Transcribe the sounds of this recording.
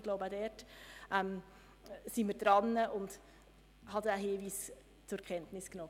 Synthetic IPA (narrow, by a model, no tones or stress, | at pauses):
ɡ̥loʊbadɛɾtʔɛm | siməɾd̥ɾɑnːəʔʊnd | hɑdæɦiːviːs | t͡sʊkʰɛntnɪsknɔː